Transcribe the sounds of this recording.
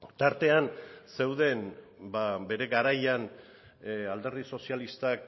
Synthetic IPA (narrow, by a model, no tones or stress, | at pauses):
t̪aɾt̪e̞anse̞wðe̞n | babe̞ɾe̞ɣaɾajan | ald̪e̞rðiso̞sijalist̪ak